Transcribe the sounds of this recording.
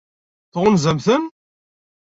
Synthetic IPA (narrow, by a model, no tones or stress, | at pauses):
θʁʊnzæmθən